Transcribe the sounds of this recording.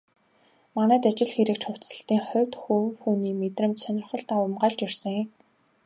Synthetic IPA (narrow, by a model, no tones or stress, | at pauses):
manæːt̪at͡ɕɪ̆ɮxeɾɘ̆k̚t͡ɕχʊw̥t͡sə̆ɬt̪iːŋχʊ̟wʲt̪xuwxuːniːmet̪rɘ̆mt͡ɕsœnʲɪ̆rχə̆ɮt̪aʊmɢaːɮt͡ɕir̥sə̆ŋj